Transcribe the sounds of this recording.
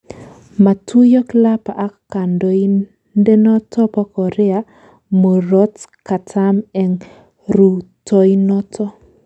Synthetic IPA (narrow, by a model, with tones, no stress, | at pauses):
ma˨tu˦jɔ˦kla˦pa˨ʔa˦kkːa˨ndo˨i˦ | nde˦nɔ˦tɔ˦pɔ˦kɔ˨ɾɛ˦a˨ | mo˨ɾɔ˦tka˨tʰa˦mɛ˨ŋ | ɾu˨tɔ˦inɔ˦tʰɔ˦